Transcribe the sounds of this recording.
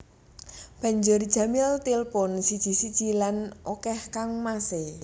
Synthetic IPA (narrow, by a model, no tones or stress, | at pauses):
b̥ä̤ɲd͡ʒʊr̥ʒ̥ä̤mɪlt̪ilpɔnsid̥ʒ̥i̤sid̥ʒ̥i̤lanʔokɛhkaŋmase